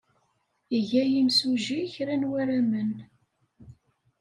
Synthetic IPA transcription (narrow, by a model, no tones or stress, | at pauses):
iʝæjimsuʒiçɾænwæɾæmən